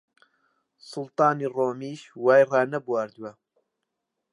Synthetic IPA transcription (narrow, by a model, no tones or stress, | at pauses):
sʊlˠt̪ɑːniːroːmiːʃwaːjrɑːnɐbuwaːɾd̪uwɐ